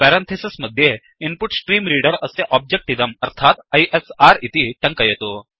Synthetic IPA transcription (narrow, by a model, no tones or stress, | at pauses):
pɛɾẽnt̪ʰesisməd̪ʱːje | inpuʈsʈɾiːmɾiɽəɾəseʔɔb̚d͡ʑek̚ʈid̪əməɾt̪ʰat̪əjʔesaɾit̪iːʈəŋkəjet̪o